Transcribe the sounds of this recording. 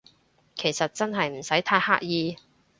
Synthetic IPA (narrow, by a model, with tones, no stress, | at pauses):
kʰe˨˩jsɐ˨t̚t͡sɐ˥nɦɐ˨jm̩˨˩sɐ˨˥jt̪ʰaː˧jha̰ː˥k̚jiː˨˧